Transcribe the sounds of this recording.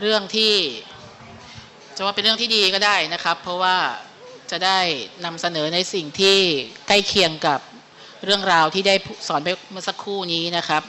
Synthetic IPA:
ɾɯ˥˩əŋt̪ʰiː˥˩ | t͡ɕʰa˨˩waː˥˩pe˧nɾɯ˥˩əŋt̪iː˥˩diː˧kɔː˥˩daː˥˩jna˦˥kʰa˦˥pʰːɔ˦˥waː˥˩ | t͡ɕa˨˩daː˥˩jna˧msa˧nɤː˩˦na˧jsi˨˩ŋt̪ʰiː˥˩ka˥˩jkʰi˧əŋka˨˩p̚ | ɾɯ˥˩əŋɾaː˧wt̪ʰiː˥˩daː˥˩jpʰu˥˩sɔː˩˦npa˧jmɯ˧˥˧sa˦˥kʰːuː˥˩niː˦˥na˦˥kʰa˦˥p̚

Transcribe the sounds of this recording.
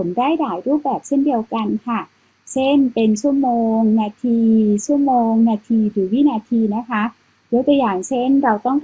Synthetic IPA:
o˩˦ndaː˥˩jdaː˩˦jɾuː˥˩p̚bɛː˨˩p̚se˥˩ndi˧əwka˧nkʰa˥˩ | se˥˩npe˧nt͡ɕʰu˥˩əmoː˧ŋnaː˧t̪ʰiː˧t͡ɕʰu˥˩əmoː˧ŋnaː˧t̪ʰiː˧ɾɯː˩˦wi˦˥˨naː˧t̪ʰiː˧na˦˥kʰa˦˥ | do˧˦jt̪u˧jaː˨˩ŋse˥˩nɾa˧wt̪ɔ˥˩ŋ

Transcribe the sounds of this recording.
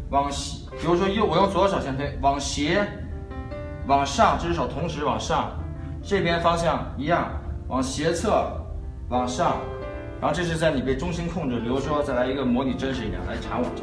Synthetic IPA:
wɑ˨˩ŋɕ | pi˨˩ɻu˧˥ʂ̬wɔ˥jo˥˩ʊwɔ˨˩jʊ˥˩t͡swɔ˧˥˩ʂ̬ʊɕjnt̪ʰe˥wɑ˨˩ŋɕjɛ˧˥ | wɑ˨˩ŋʂɑ˥˩ŋʈ͡ʂ̩˥˧˥ʂ̬ɑ˨˩ʊt̪ʰʊ˧˥ŋʂɻ̩˧˥wɑ˨˩ŋʂɑ˥˩ŋ | ʈ͡ʂɤ˥˩pʰjɛ˥nfɑ˥ŋɕjɑ˥˩ŋi˧˥jɑ˥˩ŋwʔɑ˨˩ŋɕjɛ˧˥t͡sʰɤ˥˩ | wɑ˨˩ŋʂɑ˥˩ŋ | ɻɻa˧˥xʈ͡ʂɤ˥˧˩ʂɻ̩˥˧t͡sa˥˩ɪni˨˩pe˥˩ɪʈ͡ʂʊ˥ŋɕi˥nkʰʊ˥˩ŋʈ͡ʂɻ̩˩pi˨˩ɻu˧˥ʂ̬wɔ˥t͡sa˥˩ɪla˧˥ɪi˧˥ɡə˧mwɔ˧˥ni˨˩ʈ͡ʂə˥nʂɻ̩˧˥i˧˥˩jɑ̰˥˩la˧˥ɪʈ͡ʂʰa˧˥nwɑ̰˨˩˦ʈ͡ʂ

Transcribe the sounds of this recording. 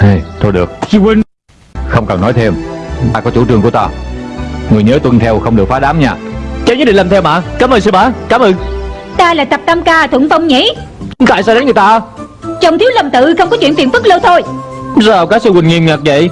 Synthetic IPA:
ʔa˧˩jt̪ʰo˧jɗɨ˨˩ək̚sɨ˧wï˨˩ŋ̟ | xə˧wŋ͡mkəː˨˩nːɔ˨˦jt̪ʰe˧mt̪aː˧kɔ˨˦t͡ɕṵ˧˩ʈ͡ʂɨ˧˩əŋkət̪aː˧ | ŋɨ˨˩əjɲəː˨˦t̪wə˧nŋt̪ʰɛ˧wxə˧wŋ͡mɗɨ˨˩ək̚faː˨˦ɗaː˨˦mɲaː˧t͡ɕə˨˦ɲɨ̰˧˥ɗḭ˨˧˨laː˨˩mt̪ʰɛ˧wma̰ː˧˨kaː˨˦məː˧ns̬ɨ˧ɓaː˧˨kaː˨˦mʔəː˧n | t̪aː˧laː˨˩jt̪ə˨˩p̚t̪a˧mkaː˧t̪ʰwə˧˨ŋfə˧wŋ͡mɲḭ˧˥˦ | ka̰ː˧˨jsɔ˧ɗa˨˦nŋɨ˨˩jt̪aː˧ | t͡ɕə˨˩wŋ͡mt̪ʰi˨˦əwlə˨˩mt̪ɨ̰˧˨xə˧wŋ͡mkɔ˨˦t͡ɕwi˧˨ənfi˧˨ənfɨ˦˥t̚lə˧wt̪ʰo˧jzaː˨˩wkaː˦˥sɨ˧wï˨˩ŋ̟ŋi˧˩mŋaː˨˩k̚və̰˧˨j

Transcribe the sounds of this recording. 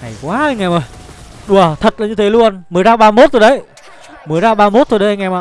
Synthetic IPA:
ŋa˨˩jkwaː˨˦ʔa˧jŋa˨˩mə˨˩j | ɗu˨˩ət̪ʰə˨˩t̚laː˨˩ɲɨ˧t̪ʰe˨˦lu˧ənmɨ˨˩əjzaː˧wɓaː˧mo˦˥t̪̚ʰo˧˩ɗə˨˦j | mɨ˨˩əjzaː˧wɓaː˧mo˦˥t̚t̪ʰo˧˩jɗə˨˦˧ŋa˨˩ma˨˩

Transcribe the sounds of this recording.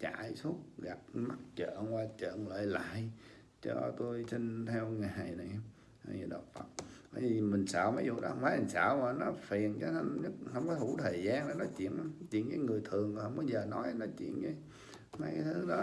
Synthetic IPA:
t͡ɕa̰ː˧˨jsu˦˥ət̚ɣa˨˩p̚ma˦˥t̚t͡ɕə̰ː˧˨kwaː˧t͡ɕə̰ː˧˨nlə̰ː˧˨jla̰ː˧˨j | t͡ɕɔ̰˧t̪o˧jsi˧nt̪ʰɛ˧wŋa˨a˨˩jna˨˩j | ha˧˩jɲɨ̰˨˩ɗə̰˨˩wk͡p̚fə˨˩t̚va̰ː˧˩jvi˨mï˨˩ŋ̟sə̰ː˧˨wma˨˦jzṵ˨˩ɗɔ̰˨˦˧ŋ͡mmaː˨˦jʔa˧˩ŋsaː˧˨maː˨˩nɔ˨˦fi˨˩ənt͡ɕɔ˧˦hə˧ɲə˦˥t̚hə˧wŋ͡mkɔ˨˦jhʰu˧˥˦t̪ʰəː˨˩jzaː˧na˨˩nɔ˨˦t͡ɕḭ˧˨ənʔa˨˧˦t͡ɕḭ˧˨ənkaː˨˦jŋɨ˨˩əjt̪ʰɨ˨˩əŋ˨˩hə˧wŋ͡mɓə˨˧˩zəː˨˩nɔ˨˦jnɔ˨˦t͡ɕḭ˧˨ənkaː˨˦j | ma˨˦jkaː˨˦jt̪ʰɨ˨˦ɗɔ˨˦

